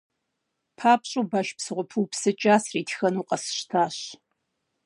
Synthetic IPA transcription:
pʰaːpɕʼuːbɐʃpsɨʁʷʊpʰuwpsɨt͡ʃʼaːsriːtʰxɐnuːqɐsɨ̥ʃtʰaːɕ

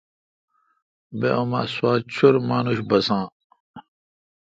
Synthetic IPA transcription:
bḛoma̰swaːt͡ɕʰuɾmaːnuɕbɐsãː

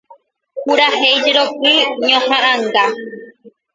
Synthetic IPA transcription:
kuɾahejd͡ʒeɾokɨɲõhãʔãŋɡa

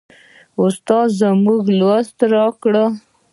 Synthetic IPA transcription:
ʊst̪ɑzamuɡlwast̪ɾɑkɽə

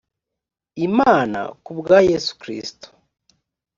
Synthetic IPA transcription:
imaːna̰kubɡajesu̥kɾḭsto̥

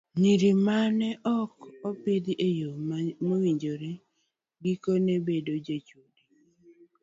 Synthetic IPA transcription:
niɾimanɛʔɔkɔpɪd̪iʔejomowiɲd͡ʒoɾe | ɡikonebedod͡ʒet͡ʃodi

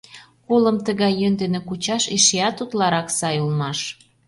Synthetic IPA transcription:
koləmt̪əɣɑjːønd̪enĕkut͡ɕɑʃiʃeɑt̪ut̪lɑɾɑksɑjulmɑʃ

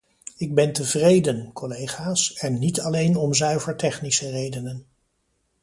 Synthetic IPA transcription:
ɪɡ̚bɛntəvrejdənkɔlejχaːsɛnːitɑlejnɔmzœɥvəɹtɛχnisərejdənən

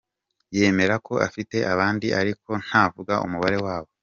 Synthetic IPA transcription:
je̞me̞ɾakʰo̞ʔa̰fite̞ʔaβaːndiʔaɾiko̞n̥haːvuɡaʔṵmuβaɾe̞waːβo̞

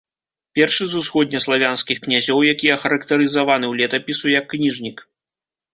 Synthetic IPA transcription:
pʲɛrʂɨzusxɔd̪ʲnʲɐslˠavʲanskʲixknʲazʲɔwjakʲijɐxɐɾɐkt̪ɐɾɨzavanɨwlʲɛt̪ɐpʲisujɐkːnʲiʐnʲik

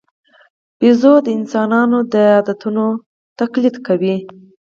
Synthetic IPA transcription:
b̥izod̪əɪnsɑnɑnod̪əɑd̪at̪uno | t̪aklit̪kawi

